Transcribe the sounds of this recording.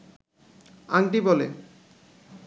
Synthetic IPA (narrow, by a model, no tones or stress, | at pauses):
aŋʈibɔlḛ